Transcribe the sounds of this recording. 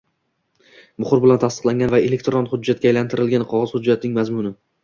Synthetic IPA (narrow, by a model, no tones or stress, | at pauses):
bʊχʊɾbɪlant̪ʰast̪ɨ̥qlˠaŋʲanvaelekʲt̪ɾɔnχʊd͡ʒːat̪̚kʲaːjlant̪ʰɪɾɪlɡʲanqʰɒʁɑz̥hʊd͡ʒːat̪nɪŋmazmʊnɪ